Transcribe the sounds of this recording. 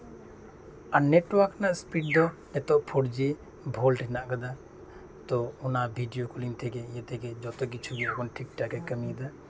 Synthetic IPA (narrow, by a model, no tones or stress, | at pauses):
aneʈwaɾknaʔspiɖd̪ɔ | ɛt̪ɔʔpʰoɽd͡ʒe | bʱolʈɛnaʔkəd̪a | t̪ɔʊnabʱiɖijokulimt̪ʰɛkɛjet̪ʰɛkɛd͡ʒɔt̪ɔk̬it͡ʃʰubikɔnʈʰikʈakɛkəmid̪a